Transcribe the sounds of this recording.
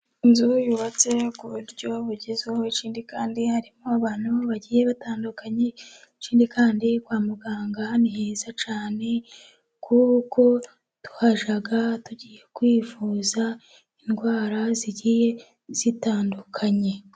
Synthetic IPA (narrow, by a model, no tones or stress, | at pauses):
inzujuβat͡se̞kuɾuɾɟo̞βuɾɟezehoit͡ʃiːndikaːndihaɾimoaβaːn̥huβaɟiːje̞βataːndukaɲe̞ | t͡ʃiːndikaːndikwaːmuɡaːŋɡaniɦeːzat͡ʃaːne̞ | kʰuβuko̞ | tu̥haʒaɡatuɟiːje̞kwiːfuːza | inɡwaːɾaziɟiːje̞ | z̥itaːndukʰaɲe̞